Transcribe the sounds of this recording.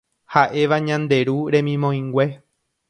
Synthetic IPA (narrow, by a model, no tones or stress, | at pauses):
haʔe̞ʋaɲãnd̪e̞ɾuɾẽ̞mĩmõĩŋɡʷe̞